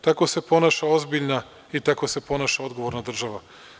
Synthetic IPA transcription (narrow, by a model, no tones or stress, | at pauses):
t̪ako̞se̞po̞naːʃao̞zbiʎʲna | it̪ako̞se̞po̞naːʃao̞d̪ɡo̞ʋo̞ɾnad̪r̩ʒaʋa